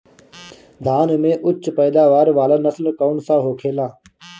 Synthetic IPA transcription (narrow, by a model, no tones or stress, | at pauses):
d̪ʱaːnmẽʔʊt͡ʃːpɛːd̪aːʋaːɾʋaːlanəslkɔːnsaɦoːkʰeːlaː